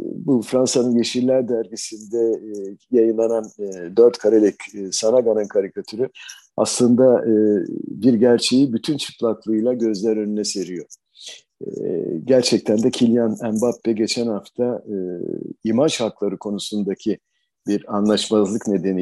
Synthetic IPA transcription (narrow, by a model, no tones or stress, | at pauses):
bufɾansanɯnje̞ʃiɾlʲæɾd̪æɾɟisind̪ɛjajɯnlˠanand̪øɾt̪kʰaɾalʲicːsanaɡanɯnkʰaɾikʰat̪ʰyɾy | a̰slˠɯnd̪aɯbiɾɟæɾt͡ʃʰe̞jibyt̪ʰynt͡ʃʰɯ̥kʰlˠaklˠɯjlˠaɟø̞zlʲæɾø̞nynɛse̞ɾijo̞ɾ̰ | ɟæɾt͡ʃʰɛc̚t̪ʰænd̪ɛcʰilʲjanæmbapːɛɟe̞t͡ʃʰænhaft̪ʰaɯimant͡ʃhak̪lˠaɾɯkʰo̞nusund̪acʰi | biɾanlˠaʃmazlˠɯkne̞d̪e̞ni